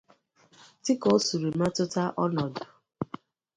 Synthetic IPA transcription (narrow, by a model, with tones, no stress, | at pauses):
tɪ˦kɔ˦su˨ɾi˨ma˦tʊ˦ta˦ʔɔ˦nɔ˨dʊ˨